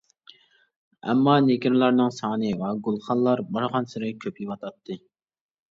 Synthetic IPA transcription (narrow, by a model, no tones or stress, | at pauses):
ɛ̰mːɑneɡʲɪɾlˠɑɾnɨŋsɑːnɨvɛɡʊlˠχɑnlˠɑɾbɑɾʁɑnsɪɾɪkʲʰøpjiwɑt̪ʰɑt̪ʰːɨ